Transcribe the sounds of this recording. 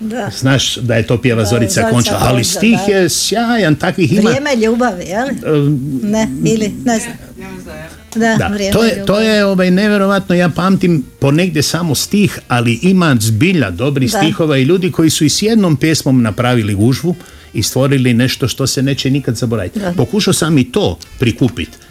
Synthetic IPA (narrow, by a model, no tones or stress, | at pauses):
znaːʃd̪aje̞t̪o̞ːpijeʋazo̞ɾit̪sako̞nt͡ʃala̰alist̪iːxjesjaːjant̪akʋiximemeʎuːbaʋijeli | neilinezam | d̪ad̪a̰et̪ojet̪o̞ːjeo̞ʋajne̞ʋʲjeɾo̞ʋat̪nojaːpaːmt̪impo̞ne̞ɡd̪jesamost̪iːxaliʔimazbiʎa̰d̪o̞bɾisixo̞ʋaiʎuːd̪iko̞jisuisjed̪nompjesmo̞mnapɾaʋiliɡuʒʋu | ist̪ʋo̞ɾiline̞ʃt̪o̞ʃt̪o̞sene̞ːt͡ɕenikad̪zabo̞ɾa̰ːʋḭt̪po̞kuʃaosamit̪o̞ːpɾikupḭt̪